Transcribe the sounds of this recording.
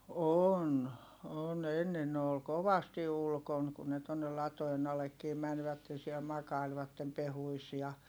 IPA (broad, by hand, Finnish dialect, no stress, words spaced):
on on enːen ne ol koʋɑsti ulkon kun ne tonːel lɑtoen ɑlekːiːm mænʋætːe siɛl mɑkɑilʋɑtːem pehuis jɑ